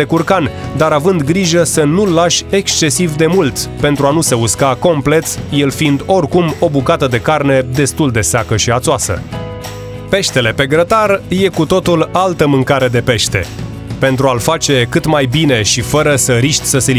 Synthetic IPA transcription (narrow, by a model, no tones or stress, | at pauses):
ekurkand̪aɾavɨnd̪ɡɾiʒəsənulːaʃʲe̞kst͡ʃe̞sivd̪e̞mult̪pe̞nt̪ɾuanuse̞uskako̞mple̞t̪je̞lfind̪o̞rkumo̞bukat̪əd̪e̞karne̞d̪e̞st̪uld̪e̞seakəʃiat̪soasə̰ | pe̞ʃt̪e̞le̞pe̞ɡɾət̪arje̞kut̪o̞t̪ulalt̪əmɨŋkaɾe̞d̪e̞pe̞ʃt̪e̞̰ | pe̞nt̪ɾualfat͡ʃe̞kɨt̪majbine̞ʃifəɾəsəɾiʃt̪ʲsəsel